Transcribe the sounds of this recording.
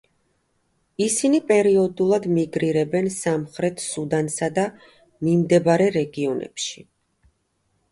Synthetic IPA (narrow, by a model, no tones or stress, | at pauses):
isinipʼɛɾiɔd̪ulˠad̪miɡɾiɾɛbɛnsamχɾɛt̪ʰsud̪ansad̪a | mimd̪ɛbaɾɛɾɛɡiɔnʔɛ̰pʃi̥